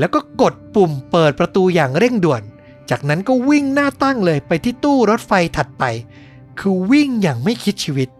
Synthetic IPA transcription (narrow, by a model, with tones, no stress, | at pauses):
lɛː˦˥wkɔː˥˩ko˨˩t̪̚pu˨˩mpɤː˨˩t̪̚pɾa˧t̪uː˧jaː˨˩ŋɾe˥˩ŋdu˨˩ən | t͡ɕaː˨˩k̚na˦˥nkɔː˥˩wi˥˩ŋnaː˥˩t̪a˥˩ŋlɤː˧jpa˧jt̪ʰiː˥˩t̪uː˥˩ɾo˦˥t̪̚fa˧jt̪ʰa˨˩t̪̚pa˧j | kʰɯː˧wi˥˩ŋjaː˨˩ŋma˥˩jkʰi˦˥t̪̚t͡ɕʰiː˧wi˦˥t̪̚